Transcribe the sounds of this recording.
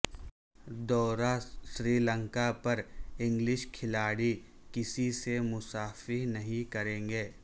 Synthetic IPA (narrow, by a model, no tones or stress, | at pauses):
d̪ɔːɾaʃɾiːlə̃ŋkapɐɾɪ̃ŋɡlɪʃkʰɪlaːɽi | kɪsisemʊsaːfɪɾnɐɦĩkɐɾẽːŋɡeː